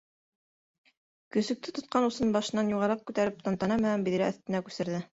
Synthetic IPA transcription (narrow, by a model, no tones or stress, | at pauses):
kɵ̆sɵ̆k̚t̪ɘt̪ŏt̪̚qɑnusɤnbɑʃɤ̆nːɑnjuʁɑɾɑq̚kʉt̪æɾɘp̚t̪ɑnt̪ɑnɑmɘɦæmbiðɾæʔːθt̪ɘ̆nækʉsɘ̆ɾðɘ